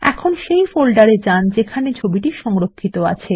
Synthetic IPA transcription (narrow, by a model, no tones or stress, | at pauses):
ɛ̰kʰonʃejfolɖaɾed͡ʑand͡ʑekʰanet͡ɕʰobiʈiʃɔŋɾokʰːit̪oa̰t͡ɕʰe